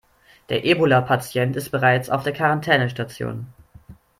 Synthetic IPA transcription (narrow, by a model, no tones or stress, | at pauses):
d̥eːɐʔeːbolapʰat͡sjɛntɪstb̥əʁ̞aɪt͡sa̰ʊfd̥eːɐkʰaʁantʰɛːnəʃtat͡sjo̰ːn